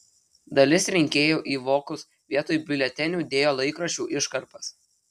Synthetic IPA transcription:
d̪ɐlʲɪsɾʲɪŋʲkʲeːjoːʔiːʋoːkʊs | ʋʲiɛt̪oːjbʲɪlʲɛt̪ʲɛnʲuːd̪ʲeːjoːlˠɐɪkɾɐʃʲuːʔɪʃkɐɾpɐs

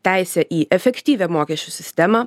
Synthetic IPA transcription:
t̪ʲæˑɪsʲɛʔiːʔɛfʲɛkʲt̪ʲiːʋʲɛmoːkʲɛʃʲt͡ʃʲusʲɪsʲt̪ʲɛmɑ

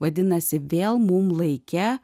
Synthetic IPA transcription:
ʋɐd̪ʲɪnɐsʲɪʋʲeːlˠmʊmlˠɐɪkʲɛ

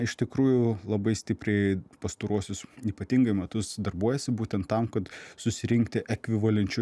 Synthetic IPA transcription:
ɪʃt̪ʲɪkɾuːjʊlˠɐbɐɪsʲt̪ʲɪpʲɾʲɛɪpɐst̪oːɾuɔsʲʊsiːpɐt̪ʲiŋɡɐɪmʲɛt̪ʊsd̪ɐrbuɔjɛsʲɪbuːt̪ʲɛnt̪tːɐmkɐt̪sʊsʲɪɾʲɪŋkt̪ʲɪʔɛkʲʋʲɪʋɐlʲɛnʲt͡ʃʲʊ

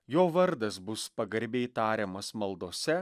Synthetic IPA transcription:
joːʋɐɾd̪ɐsbʊspɐɡɐɾʲbʲeɪt̪ɑːɾʲeːmɐsmɐlˠd̪oːsʲɛ

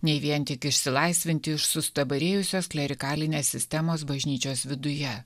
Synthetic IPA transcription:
nʲɛɪʋʲiɛnt̪ʲɪkɪʃʲsʲɪlˠɐɪsʲʋʲɪnʲt̪ʲɪɪʃsʊst̪ɐbɐɾʲeːjʊsʲoːsklʲɛɾʲɪkɑːlʲɪnʲeːsʲɪsʲt̪ʲɛmoːs̬bɐʒʲnʲiːt͡ʃʲoːsʋʲɪd̪ʊjɛ

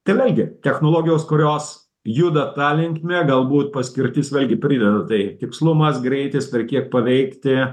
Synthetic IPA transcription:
t̪ɐɪʋʲeːlʲɡʲɪt̪ʲɛxnoːlˠoːɡʲɪjoːskʊɾʲoːs | jud̪ɐt̪ɑːlʲɪŋkmʲeːɡɐlˠbuːt̪̚pɐsʲkʲɪɾʲt̪ʲɪsʋʲeːlʲɡʲɪpʲɾʲɪd̪ʲɛd̪ɐt̪ɐɪt̪ʲɪkslˠʊmɐsɡɾʲɛɪt̪ʲɪsʋʲɛrʲkʲiɛk̚pɐʋʲɛɪkt̪ʲɪ

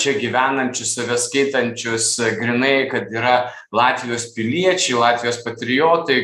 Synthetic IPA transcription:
t͡ʃʲɛɡʲiʋʲæːnɐnʲt͡ʃʲʊssɐʋʲɛskɐɪt̪ɐnʲt͡ʃʲʊsɡɾʲɪnɐɪkɐt̪iːɾɐ | lˠɑːt̪ʲʋʲɪjoːspʲɪlʲiɛt͡ʃʲɛɪlˠɑːt̪ʲʋʲɪjoːspɐt̪ʲɾʲɪjoːt̪ɐɪ

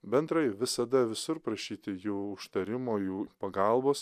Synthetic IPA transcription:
bʲɛnt̪ɾɐɪʋʲɪsɐd̪ɐʋʲɪsʊɾpɾɐʃʲiːt̪ʲɪjuːʊʃt̪ɐɾʲɪmoːjuːpɐɡɑlˠboːs

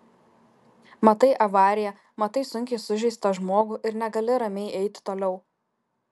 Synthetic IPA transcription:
mɐt̪ɐɪʔɐʋɑːɾʲɪjɛ | mɐt̪ɐɪsʊŋʲkʲɛɪsʊʒʲɛɪst̪ɐʒmoːɡuʔɪɾnʲɛɡɐlʲɪɾɐmʲɛɪʔɛɪt̪ʲt̪oːlʲɛʊ

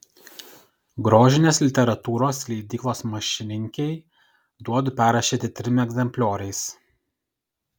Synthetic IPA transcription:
ɡɾoːʒʲɪnʲeːslʲɪt̪ʲɛɾɐt̪uːɾoːslʲɛɪd̪ʲiːklˠoːsmɐʃʲɪnʲɪŋʲkʲɛɪ | d̪uɔd̪ʊpʲæːɾɐʃʲiːt̪ʲɪt̪ʲɾʲɪmʲɛɡʲzʲɛmʲpʲlʲoːɾʲɐɪs

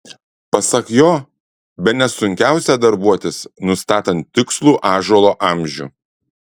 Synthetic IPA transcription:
pɐsɐkjoː | bʲɛnʲɛsʊŋʲkʲæˑʊsʲæd̪ɐɾbuɔt̪ʲɪsnʊst̪ɑːt̪ɐnt̪ʲːɪkslˠuːʔɑːʒuːlˠoːʔɐˑmʲʒʲṵː

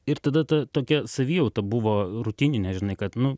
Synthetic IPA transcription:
ɪɾt̪ɐd̪ɐt̪ɐt̪oːkʲɛsɐʋʲiːjɛʊt̪ɐbʊʋoːɾʊt̪ʲiːnʲɪnʲɛʒʲɪnɐɪkɐt̪nʊ

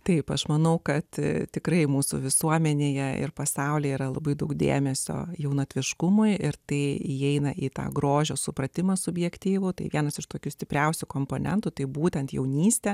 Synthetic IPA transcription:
t̪ɐɪpɐʃmɐnɐʊkɐt̪t̪ʲɪkɾɐɪmuːsʊ̰ʋʲɪsuɔmʲɛnʲeːjɛɪ̰rpɐsɐʊlʲeːjiːɾɐlˠɐ̰bɐɪd̪ɐʊkd̪ʲḛːmʲɛsʲo̰ːjɛʊnoːt̪ʲʋʲɪʃkʊmʊɪɪɾt̪ɐɪiɛɪnɐʔit̪ɑ̰ːɡɾoːʒʲoːsʊpɾɐt̪ʲɪmɐsʊbʲjɛkt̪ʲiːʋʊt̪ɐɪʋʲiɛnɐsɪʃt̪oːkʲusʲt̪ʲɪpʲɾʲɛʊsʲʊkoːmpoːnʲɛ̰nt̪ʊt̪ɐɪbuːt̪ʲɛnt̪jɛ̰ʊnʲiːsʲt̪ʲɛ

